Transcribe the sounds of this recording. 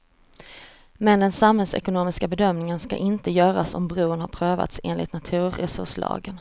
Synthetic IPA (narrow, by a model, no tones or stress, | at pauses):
mɛnd̪ɛnsamhɛlsɛ̰kʊnoːmɪskabɛd̪œmnɪŋənska̰ʔɪnt̪əjœːɾasɔ̰mbɾuːənhaɾpʰɾøːva̰t̪seːnlʔɪ̰t̪nat̪ʰʉ̟ːɾɛsɵ̰ʂlɑ̰ːɡən